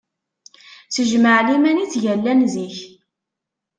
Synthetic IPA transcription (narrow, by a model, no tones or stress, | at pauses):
θəʒməʕlimænit͡sːʝælːænziç